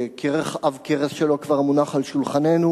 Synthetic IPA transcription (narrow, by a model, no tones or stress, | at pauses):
kʰeʁeχavkeʁesʃelo̞kvaʁmunaχalʃulχanenu